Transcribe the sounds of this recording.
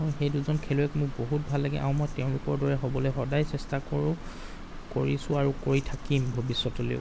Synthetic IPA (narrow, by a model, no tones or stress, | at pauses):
ɦɔjxejduzɔnkʰɛlɔɛkmʊkboɦut̚bʱalːaɡɛ̰ʔa̰ʊ̃mɔjtɛʊ̃lʊkɔɹdɔɹɛɦobɔlɛjxɔdajsɛstakoɹʊ̃ | koɹisʊ̃aɹukoɹitʰakimbʱobisːɔtɔlḭʊ̰